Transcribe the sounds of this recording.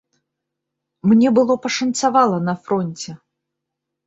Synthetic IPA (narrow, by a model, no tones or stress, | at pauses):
mnʲɛbɨlˠɔpɐʂɐnt̪savalˠɐnɐfɾɔnʲt͡sʲɛ